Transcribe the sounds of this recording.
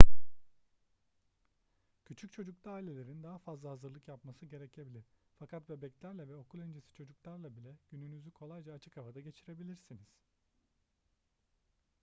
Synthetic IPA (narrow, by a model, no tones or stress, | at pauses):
cʰyt͡ʃʰyc̚t͡ʃʰo̞d͡ʒuk̚t̪ʰaːilʲe̞lʲe̞ɾind̪aɦafazlˠaɦazɯɾlˠɯkjapmasɯɟe̞ɾɛcʰe̞bilʲiɾ̥fakʰat̪bebɛclʲæɾlʲɛvɛo̞kʰulˠønd͡ʒesi̥t͡ʃʰo̞d͡ʒuklˠaɾlˠabilʲɛɟ̥ynynyzykʰo̞lˠajd͡ʒaːt͡ʃʰɯ̥kavad̪aɟe̞t͡ʃʰiɾe̞bilʲiɾsiniz̥